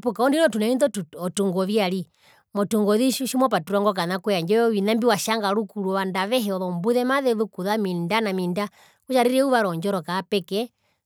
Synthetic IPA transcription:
pukaɔndinɔtunainðɔɔtuŋɡɔβiaɾi | mɔtuŋɡɔðiʃimɔpatuɾwaŋɡɔk̬anakujaɲd͡ʒɔɔwinambiwaʃaŋɡaɾukuɾuβandaβɛɦɛɔðɔmbuðɛmaðɛðukuðamindanaminda | kut͡ʃaɾiɾɛuβaɾɔɲd͡ʒɔɾɔkaːpɛkɛ

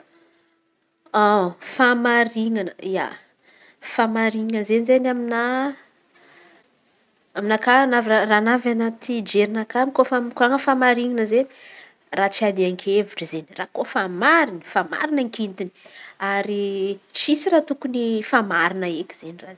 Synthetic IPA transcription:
afamaɾiŋanəia̰ | famaɾiŋəzenizenamina | aminakanaviraranavanat̪id͡ʒeɾinakamkofamkoaŋəfamaɾiŋanəze | rat͡siad̪iaŋkʰevuʈ͡ʂəzenirakofamaɾinəfama̰ɾinəŋkint̪ini̥aɾit͡ʃisirat̪ukunifamaɾinəekʲi̥z̥eniraz

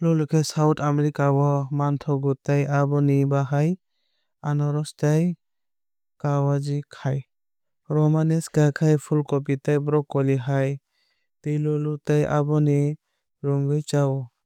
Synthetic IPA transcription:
lɔlukʰesawtʰameɾikawɔmantʰɔɡutajabɔnibaɦaj | anɔɾɔstaj | kawad͡ʒikʰaj | ɾɔmanesɡakʰajpʰulkɔp̬itajbɾɔkːɔliɦaj | tejlɔlutajʔa̰bɔni | ɾuŋɡɯjt͡ʃaw

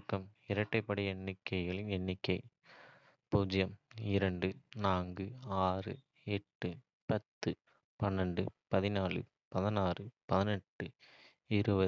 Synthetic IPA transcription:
kːɐm | ɪɾɐʈːɐɪpːɐɽɪjɛnːɪkːɐɪɣɐɭɪnɛnːɪkːɐɪ | puːd͡ʒɐjɐmɪɾɐɳɖɯnaːŋɡɯaːrɯ | ɛʈːɯ | pɐt̪ːɯ | pɐnːɐɳɖɯpɐðɪnaːɭɯ̰ | pɐðɐnaːrɯpɐðɪnɛʈːɯ | ɪɾɯbɐ

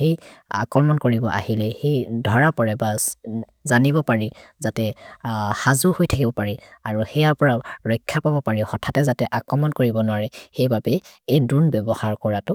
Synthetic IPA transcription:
heja̰kɹɔmɔnkoɹibɔʔa̰hilɛhejdʱɔɹapɔɹɛba | zanibɔpaɹi | zatɛ | hazuhojtʰakibɔpaɹiaɹuxɛjaɹpɔɹaʊɹɔjkʰːapabɔpaɹixɔtʰatɛzatɛʔakɹɔmɔnkoɹibɔnwaɹɛxejbapɛejdunbɛbɔhaɹkɔɹatʊ

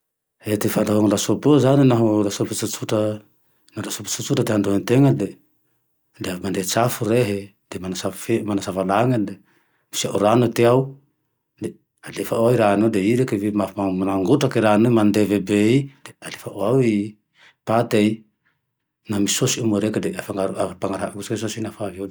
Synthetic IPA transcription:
et̪efand̪aɦoŋlasopozaninaɦulasopet͡sut͡suʈ͡ʂə | nalasope̥t͡sut͡suʈ͡ʂəd̪eɦand̪oant̪eŋəd̪e | d̪eamand̪et͡safuɾeɦe | d̪̥emanasafemanasavalaŋəd̪e | mi̥sia̰uɾanut̪eaw | de | alefaoawiɾanodeiɾekevimaamanaŋɡutakeɾanomand̪evebeidealefaʔoawi | pat̪ej | namisosiumoɾekedeafaŋɡaɾapaŋaɾaɡuskesosinafavo

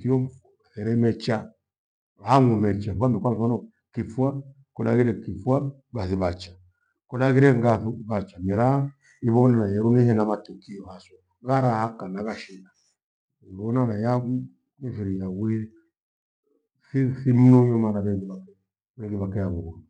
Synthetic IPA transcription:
kiɔ | aθɛɾɛmɛt͡ʃa | haŋɔmɛt͡ʃawamɛkʷwamɔnɔ | kifwa | kɔna̰ɣiɾɛkifwa | baθiβat͡ʃḁ | kɔnaɣiɾɛŋɡaθuβat͡ʃamiɾa | iβɔnanajɛɾunihɛnamatukiɔhasɔ | ɣaɾahakanaɣaʃina | iβɔnanajau | nifiɾijawiɾɛ | sisim̩nɔɲɔmanaβɛŋɡiβakɛ | βɛŋɡiβakɛaβɔβɔ

